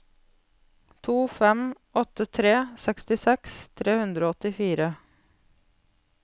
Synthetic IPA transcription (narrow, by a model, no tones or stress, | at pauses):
t̪ʰuːfɛmʔɔt̪ət̪ʰɾeːsɛkst̪ɪsɛkst̪ʰɾeːhʉnd̪ɾoːɔt̪ɪfiːɾə